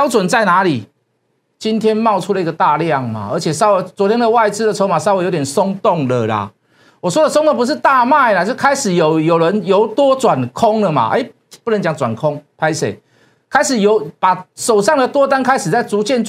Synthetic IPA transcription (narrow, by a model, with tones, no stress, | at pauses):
pjʊt͡swə˨˩nt͡sa˥˩ɪna˧˦li˨˩ | t͡ɕi˦nt̪ʰjɛ˥nmɑ˥˧ʊt͡sʰu˦˥lə˨i˦˥ɡə˨˩t̪a˥˧lja˥˨ŋma̰˩ə̰˞˧˥t͡ɕʰjɛ˨˩sa˥ʊwe˧˥ɪt͡swɔ˧˥t̪ʰjɛ˥nd̪ə˨wa˥˩ɪt͡sɹ̩˥d̪ə˨t͡sʰo˧˥ʊma˨˩sa˥˦we˧˥jo˧˦t̪jɛ˨˩nsɔ˦ŋt̪o˥˨˩ŋlə˨la̰˩ | wɔ˨˩swɔ˥d̪ə˨sŋt̪ŋpu˦ʂ̬̩˥˧t̪a˥˧ma˥˩ɪla˨˩t͡ɕo˥˧kʰa˥ɪʂɻ̩˨˩jo˨˩ʊjo˨˩ʊɻə˨˧˦njo˧˥ʊt̪wɔ˦˥t͡swa˨˩nkʰɔ˦˥ŋlə˨ma̰˨ʔḛ˧˦˩ɪ | pu˥nə˧˦nt͡ɕja˨˦ŋt͡swa̰˨˩nkʰɔ˦ŋpʰa˦ɪsḛ˨˩ɪ | kʰa˥ɪʂɻ̩˨˩jo˧˦ʊpa˨˩ʂo˨˩ʊsɑ˥˩ŋd̪ə˨t̪wɔ˦˥t̪a˥nkʰa˥ɪʂɻ̩˨˩t͡sa˥˩ɪt͡su˨˥t͡ɕjɛ˥˧nt͡s